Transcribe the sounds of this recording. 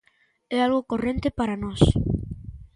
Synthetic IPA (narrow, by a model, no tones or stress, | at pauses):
ɛalɣokorent̪epaɾanɔs